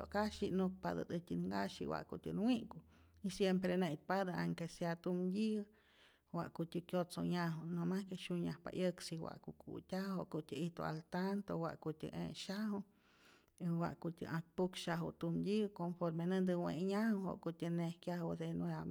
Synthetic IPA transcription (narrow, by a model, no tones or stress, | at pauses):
oʔkaʃinuk̚pad̪ə̰d̪ɨt̪ʲinŋɡaʃiwa̰ʔkut̪ʲɨnwiʔku | isjempɾenejt̪̚pad̪əaŋkesjat̪umdʲi | wa̰ʔkut̪ʲəkjotsoɲaɦunomahkeʃuɲahpa̰ʔjəksiwa̰ʔkukʰṵt̪ʲaoʔkut̪ʲəit̪o̰a̰lt̪ant̪owa̰ʔkut̪ʲə̰ʔḛʃahu | iwa̰ʔkut̪ʲə̰ʔak̚pukʃaɦṵt̪umd̪ʲikonfoɾmenənd̪ɨweʔɲahuho̰ʔkut̪ʲənehkjahod̪enea